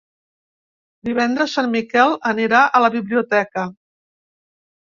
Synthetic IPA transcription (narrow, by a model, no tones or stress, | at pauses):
d̪iβ̞ɛnd̪ɾəsːanmikɛlˠəniɾaʔələβiβliut̪ɛkə